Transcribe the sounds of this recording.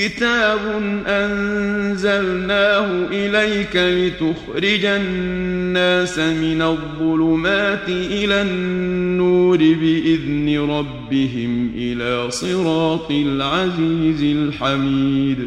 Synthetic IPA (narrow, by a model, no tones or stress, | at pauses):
kɪt̪aːbʊnʔanzalnaːhʊʔɪlajkalɪt̪ʊxɾɪd͡ʒaː | aːsamɪnaðˤːʊlʊmaːt̪ɪʔɪlanːuːɾɪbɪʔɪðnɪɾˤɑbːɪɦɪmʔɪlaːsˤɨɾɑːt̪ˤɨlʕaziːzɪlħamiːd̪